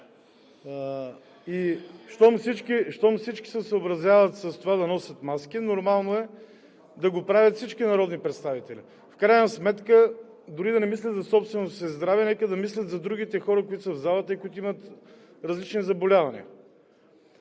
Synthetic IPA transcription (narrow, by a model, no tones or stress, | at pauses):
iʃt̪ɔmsit͡ʃkiʃt̪ɔmsit͡ʃki̥sɛsəobɾɐzjavət̪sɐst̪ovad̪ɐnɔsʲjɐt̪maskinoɾmalˠnoɛ | d̪ɐɡopɾavʲjət̪fsit͡ʃkinɐɾɔd̪nipɾɛt̪st̪avit̪ɛlḭ | fkɾajnɐsmɛt̪kə | d̪ʊɾid̪ɐnɛmislʲɐt̪zɐsɔpst̪vɛnossɛzd̪ɾavɛnɛkəd̪ɐmislʲɐt̪zɐd̪ɾuɡ̟it̪ɛxɔɾəkoit̪ʊsəvzalˠət̪əikoʊit̪ʊimət̪ | ɾɐzlit͡ʃnizɐbolʲavɐnḭ